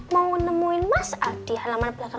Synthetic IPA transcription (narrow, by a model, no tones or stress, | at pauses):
mawnəmuɪnmasad̪̥i̤halamanb̥əlaka